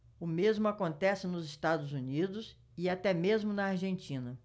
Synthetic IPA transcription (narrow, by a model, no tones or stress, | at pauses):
ʊmezmʊakõnt̪ɛsɪnʊzɪst̪ad̪ʊzunid̪ʊs | ɪat̪ɛmezmʊnɐaɾʒẽnt͡ʃĩnɐ